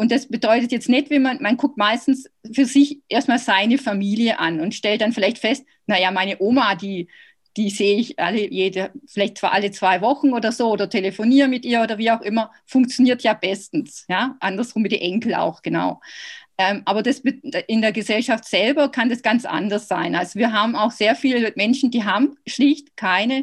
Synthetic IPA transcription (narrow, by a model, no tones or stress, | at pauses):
ʔʊntd̥asb̥ədɔʏtətjɛt͡stnɛtvɛnmanmankʰʊk̚tmaɪstn̩sfyːɐzɪçʔeːɐstmaːlzaɪnəfamiːljəʔa̰nʊntʃtɛlt̚d̥anfɪlaɪçtfɛst̚ | najamaɪnəʔoːmadiː | d̥iːzeːəɪçʔa̰ləjeːdəfɪlaɪçt̚t͡saːʔalət͡sv̥aɪvɔxn̩oːdɐzoːoːdɐtʰeləfoniːɐmɪtʔiːɐoːdɐviːaʊxʔɪmɐ | fʊŋk̚t͡sjoniːɐtjaːb̥ɛstn̩sjaːʔandɐsʁʊmːɪdḭʔɛŋkl̩ʔa̰ʊxɡ̥əna̰ʊʔɛːmʔaːbɐdasbʔɪndeːɐɡəzɛlʃaftz̥ɛlbɐkʰandasɡ̥ant͡sʔa̰ndɐsz̥a̰ɪnʔalzoviːɐɦaːbm̩aʊxz̥eːɐfiːləmɛnʃn̩diːɦaːbm̩ʃlɪçtkʰaɪnə